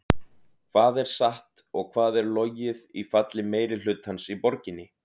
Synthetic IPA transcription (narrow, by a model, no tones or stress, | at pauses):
kʰvaːðɛɾ̥saht̪ɔɣkʰvaːðɛɾlojɪðifat̪lɪmeːjɾɪl̥ʏt̪hansipɔɾcɪnːɪ